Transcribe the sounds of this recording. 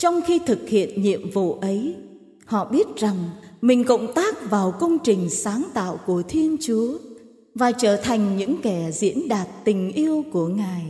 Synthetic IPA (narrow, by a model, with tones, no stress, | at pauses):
t͡ɕɔ˧wŋ͡mxi˧t̪ʰɨ˨˩k̚hḭ˧˨ənɲḭ˧˨əmvṵ˧˨ʔə˨˦j | hɔ̰˧˨ɓi˦˥ət̚za˨˩ŋmï˨˩ŋ̟kə̰˧˨wŋ͡mt̪aː˦˥k̚vaː˨˩wkə˧wŋ͡mt͡ɕï˨˩ŋ̟saː˨˦ŋt̪a̰ː˧˨wku˧˩ət̪ʰi˧ənt͡ɕu˨˦ə | vaː˨˩t͡ɕəː˧˩t̪ʰa˨˩jŋ̟ɲɨ̰˧˥ŋkɛ˧˩zḭ˧˥ənɗaː˨˩t̚t̪ï˨˩ŋ̟ʔi˧əwku˧˩əŋaː˨˩j